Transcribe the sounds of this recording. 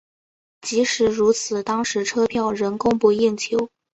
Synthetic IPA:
t͡ɕi˧˥ʂɻ̩˧˥ɻu˧˥t͡sʰɹ̩˨˩t̪ɑ˥ŋʂɻ̩˧˥ʈ͡ʂʰɤ˥pʰjɑ˥˩ʊɻə˧˥nkʊ˥ŋpu˧ji˥˩nt͡ɕʰjo˧˥ʊ

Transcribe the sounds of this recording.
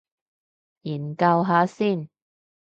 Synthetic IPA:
jiː˨˩nkɐ˧wɦaː˨˥siː˥˩n

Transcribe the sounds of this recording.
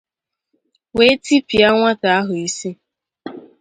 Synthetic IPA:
we˦ti˦pi˨a˦ŋʷa˦ta˨a˦ɦʊ˨i˦si˦

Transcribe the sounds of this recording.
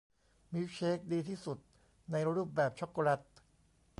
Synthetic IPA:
mi˦˥wt͡ɕʰeː˦˥k̚diː˧t̪ʰiː˥˩su˨˩t̪̚ | na˧jɾuː˥˩p̚bɛː˨˩p̚t͡ɕʰɔ˦˥kːɔ˧la˦˥˩t̪̚

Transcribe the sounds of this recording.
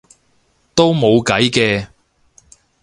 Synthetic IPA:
t̪o˥wmo˨˧wkɐ˨˥jkɛː˧

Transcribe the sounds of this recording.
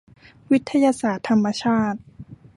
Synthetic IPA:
wi˦˥t̪ʰːa˧jaː˧saː˨˩t̪ʰːa˧mːa˧t͡ɕʰaː˥˩t̪̚

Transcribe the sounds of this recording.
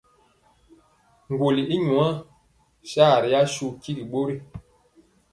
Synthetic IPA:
ŋ˨ɡwo˨li˨ʔi˦ɲu˨a˦ | ʃa˦˨ɾi˨ja˦ʃu˦˨ki˦ɡi˨ɓo˦ɾi˦

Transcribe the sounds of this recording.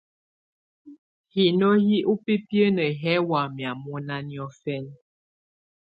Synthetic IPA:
hi˨no˦hi˦ʔu˦pe˦pjə˦nə˨ɦɛ˦wa˨mja˨mɔ˦na˦njɔ˦fɛ˦n

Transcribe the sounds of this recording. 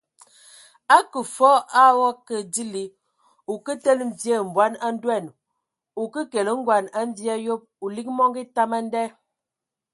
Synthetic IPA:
a˦kə˨fɔ˦a˦wɔ˦kə˨di˦li˨ | u˨kə˦tə˦lm̩˨vje˦˨m̩˨bwa˨˦na˦n̩˦dwɛ˦˨n | u˨kə˦ke˨lə˦ŋ˦ɡwa˨na˦ɱ˦vja˦jo˦p̚u˨li˦k̚mɔ˦ŋɡi˦ta˦ma˦n˦dɛ˦

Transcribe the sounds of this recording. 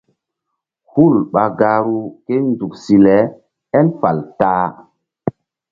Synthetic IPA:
hu˦˨lɓa˨ɡa˨ɾu˦ke˦nzu˨ksi˨lɛ˨˦ | ɛ˦nfa˨ltaː˦

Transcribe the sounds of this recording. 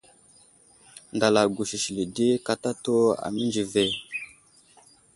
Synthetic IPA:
nda˨la˨ɡu˨ʃi˨ʃi˨li˨di˦ka˨ta˦to˦a̰˨mi˦nd͡ʒi˨ve˦˨

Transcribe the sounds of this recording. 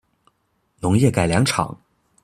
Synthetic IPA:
nʊ˧˥ŋjɛ˥˩ka˨˩ɪljɑ˧˥ŋʈ͡ʂʰɑ̰˨˩˦ŋ

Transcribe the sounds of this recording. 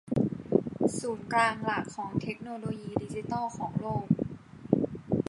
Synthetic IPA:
suː˩˦nklaː˧ŋla˨˩kʰːɔː˩˦ŋt̪ʰe˦˥k̚noː˧loː˧jiː˧di˦˥t͡ɕi˧˦t̪ɑː˥˩kʰɔː˩˦ŋloː˥˩k̚

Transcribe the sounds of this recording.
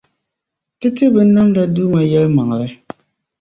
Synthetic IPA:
tɨ˦tɨ˦bɨ˨n̩˦nːa˦mda˦du˦ma˨jɛ˦lma˨ŋ˨lɨ˦

